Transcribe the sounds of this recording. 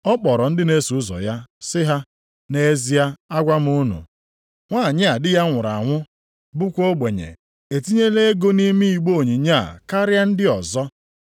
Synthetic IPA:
ɔ˦k͡pɔ˨ɾɔ˨n̩˦dɪ˦ne˦su˨ʊ˦zɔ̰˨ja˦sɪ˦ɦa˦ | ne˦e˦zi˨ja˦a˦ɡʷa˦m̩˦ʊ˦nṵ˨ | ŋʷa˦˨ɲɪ˦a˨dɪ˦ja˦ŋʷʊ˨ɾa̰˨ŋʷʊ˦ | bʊ˦kʷo˦ɡ͡be˨ɲḛ˨ | e˨ti˦ɲe˦le˦e˦ɡo˦ni˦mi˦i˨ɡ͡bo˦˨ɲi˨ɲa˦˨ka˦ɾja˦n̩˦dɪ˦ɔ˨zɔ˦

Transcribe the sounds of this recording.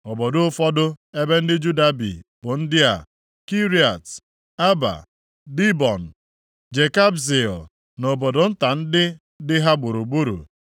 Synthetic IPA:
ɔ˨bɔ˨dʊ˦fɔ˦dʊ˦e˦be˦n̩˦dɪ˦d͡ʒu˦da˦bḭ˨b̥ʊ˨n̩˦dɪ˦a̰˨ | ki˦ɾi˨a˨t | a˦ba̰˨ | di˦bɔ˨n̩˨ | d͡ʒe˨ka˦bzi˨ɔ˨ | no˨bɔ˨dʊ˨n̩˦ta˨n̩˦dɪ˦ | dɪ˦ɦa˦ɡ͡bo˨ɾu˨ɡ͡bu˦ɾṵ˨

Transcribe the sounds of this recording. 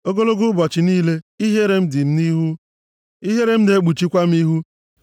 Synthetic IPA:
o˦ɡo˦lo˦ɡu˦bɔ˨t͡ʃɪ˨niː˦le˦i˦ɦe˦ɾe˨m̩˦dɪ˨m̩˦ni˦ɦu˦ | i˦ɦe˦ɾe˦m̩˦ne˨˦ɡ͡bu˨t͡ʃi˦kʷa˦m̩˦i˦ɦu˦

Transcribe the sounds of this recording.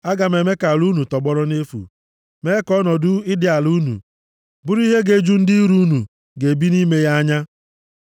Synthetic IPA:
a˦ɡa˨me˨me˦ka˨lu˦nu˨tɔ˨ɡ͡bɔ˦ɾɔ˦ne˦fṵ˨ | me˦kɔ˦nɔ˨dʊ˦ɪ˦dɪ˦a˨lu˦nṵ˨ | bʊ˦ɾi˦ɦe˦ɡe˦d͡ʒu˦n̩˦di˦ɾu˦nu˨ | ɡe˨bi˦ni˦me˦ja˦ɲa˦

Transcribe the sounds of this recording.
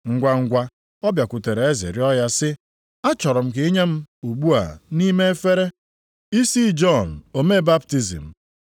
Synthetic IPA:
ŋ̩˨ɡʷa˨ŋ̩˦ɡʷa˦ | ɔ˦bja˨kʷʊ˨te˨ɾe˨e˦zɪ̰˨ɾɪ˦ɔ˦ja˦sɪ˦ | a˦t͡ʃɔ˨ɾɔ˨m̩˨k̬ɪ˦i˦ɲe˦m̩˦u˨ɡ͡bu˦a̰˨ni˦me˦e˦fe˦ɾe˦ | i˦si˦d͡ʒɔ˦˨n̩˨o˨me˦˨ba˦pti˦zḭ˨m̩˨

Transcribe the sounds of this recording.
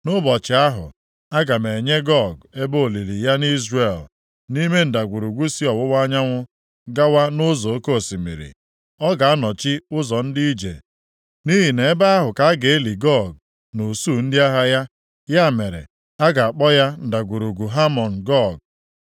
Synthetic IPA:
nʊ˦bɔ˨t͡ʃɪ˨a˦ɦʊ̰˨ | a˦ɡa˨me˨ɲe˦ɡɔ˦˨ɡe˦bo˦o˨li˨li˨ja˦ni˦zre˨l | ni˦me˦n̩˨da˨ɡʷu˨ɾu˨ɡʷu˦si˦ɔ˨wʊ˦wa˦ɲa˦ŋʷʊ˦ | ɡa˦wa˦nʊ˦zɔ˨o˦ko˦˨si˨mḭ˨ɾḭ˨ | ɔ˦ɡa˨a˦nɔ˨t͡ʃɪ˦ʊ˦zɔ˨n̩˦di˦i˦d͡ʒḛ˨ | ni˦ɦi˨ne˨˦ba˦a˦ɦʊ˨ka˦a˦ɡe˨e˦li˨ɡɔ˦˨ɡ̚ | no˨su˦˨n̩˦dɪ˦a˦ɦa˦ja˦ | ja˦˨me˨ɾḛ˨ | a˦ɡa˨a˨k͡pɔ˦ja˦n̩˨da˨ɡʷu˨ɾu˨ɡʷu˨ɦa˦mɔ˨n̩˨ɡɔ˦˨ɡ̚

